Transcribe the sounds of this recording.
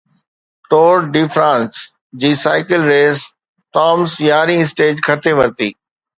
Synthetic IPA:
ʈoːɾɖɪfʰɾãːns | d͡ʑiːsaːɪkɪlɾeːs | ʈɔːmsjaːɾĩɪs̬ʈeːd͡ʑkʰɐɾt̪ʰeʋɐɾt̪ḭː

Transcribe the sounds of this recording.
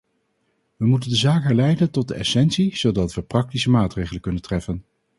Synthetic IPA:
ʋəmutəndəzaːkɦɛɹlɛjdəntɔt̚dəɛsɛntsiz̥odɑtʋəprɑk̚tisəmaːtrejχələkɵnəntrɛfən

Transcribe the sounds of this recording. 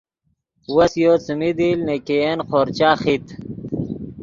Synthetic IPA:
wɐsjoːt͡sumid̪ilnekeenqʰoːɾt͡ɕaːχit̪

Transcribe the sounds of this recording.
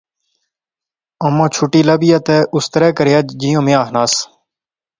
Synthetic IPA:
əmõːt͡ʃʰʊʈiːləbijat̪eːʔʊst̪əɾɛːkəɾejaːd͡ʒd͡ʒijõːmeaːɦnaːs

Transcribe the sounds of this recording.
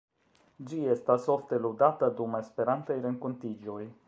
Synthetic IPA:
d͡ʒijest̪asoft̪elud̪at̪əd̪umaspeɾant̪sejɾeŋkunt̪id͡ʒuj

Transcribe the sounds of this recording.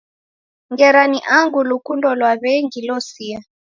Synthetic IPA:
ŋɡɛɾaniʔaŋɡulukundɔlwaβɛŋɡilɔsia

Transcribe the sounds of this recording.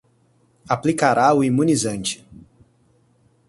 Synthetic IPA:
aplikaɾaʊimũnizɐ̃nt͡ʃɪ̥

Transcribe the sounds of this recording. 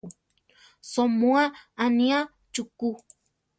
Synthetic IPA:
somuaania | t͡ʃuku

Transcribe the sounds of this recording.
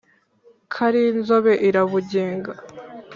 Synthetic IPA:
kʰaɾinzo̞βe̞ʔiɾaβuɟeːŋɡa

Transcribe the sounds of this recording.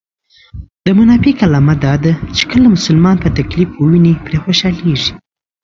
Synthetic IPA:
d̪əmanɑfikalɑmad̪ɑd̪at͡ʃe̥kəlamʊsʊlmɑnpət̪aklifwəwinepɾexoʃɑleʐi̥

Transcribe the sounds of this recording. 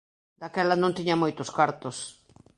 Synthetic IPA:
d̪akɛlanõnt̪iɲamojt̪oskaɾt̪os

